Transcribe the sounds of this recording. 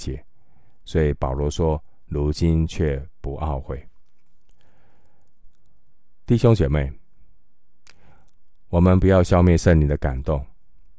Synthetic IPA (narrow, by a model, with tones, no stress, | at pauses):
t͡ɕjɛ˨˩˦ | swɔ˧˥i˨˩pɑ˨˩ʊlwɔ˧˥ʂwɔ˦ | lu˧˥t͡ɕi˦nt͡ɕʰɥɛ˥˨pu˧˦ʔɑ˥˧ʊxwe˥˩ɪ | t̪i˥˨˩ɕo˥˦ŋt͡ɕjɛ˨˩me˥˩ɪ | wɔ˨˩mə˨˦npu˨jɑ˥˧ʊɕjɑ˥˧ʊmjɛ˥˨nʂə˥˩ŋni˨˩d̪ə˦ka̰˨˩nt̪o˥˩ŋ